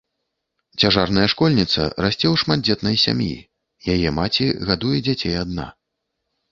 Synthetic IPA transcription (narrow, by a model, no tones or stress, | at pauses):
t͡sʲaʐarnɐjɐʂkɔlʲnʲit̪sɐ̰ɾasʲt͡sʲɛwʂmad̪̚d͡zʲɛt̪nɐjsʲa̰mjḭ | jajɛmat͡sʲiɣad̪ujɛd͡zʲat͡sʲejad̪na̰